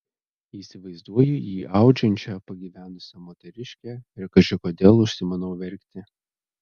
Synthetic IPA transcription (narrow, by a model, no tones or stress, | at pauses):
iːsʲɪʋɐɪzd̪uɔjʊjiːʔɑˑʊd͡ʒʲɛnʲt͡ʃʲɛpɐɡʲiʋʲæːnʊsʲɛmoːt̪ʲɛɾʲɪʃʲkʲɛɪɾkɐt͡ʃʲɪkoːd̪ʲeːlˠʊʃʲsʲɪmɐnɔʊʋʲɛɾʲkʲt̪ʲɪ